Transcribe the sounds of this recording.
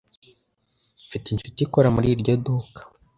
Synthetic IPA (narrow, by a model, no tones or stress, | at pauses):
fitinʃutiikoɾamuɾiɾɟo̞dukḁ